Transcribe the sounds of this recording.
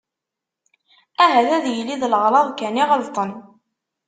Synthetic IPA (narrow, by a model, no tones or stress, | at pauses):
æɦæðæðjəlːiðlʁɾˤɑðˤkæniʁəlt̪ˤən